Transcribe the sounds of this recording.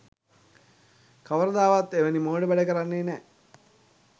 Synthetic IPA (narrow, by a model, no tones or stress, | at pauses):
kaʋəɾəd̪aːʋat̪eʋənimoːɖəbæɖəkəɾanːeːnɛ